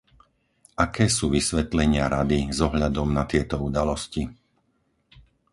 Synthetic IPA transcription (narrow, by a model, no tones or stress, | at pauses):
akɛːsuːʋisʋɛt̪lɛɲɪaɾad̪izɔɦʎad̪ɔmnat̪ɪɛt̪ɔud̪alɔsci